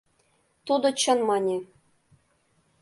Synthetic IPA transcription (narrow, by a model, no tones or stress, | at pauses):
t̪ud̪ŏt͡ɕɤ̆nmɑnʲe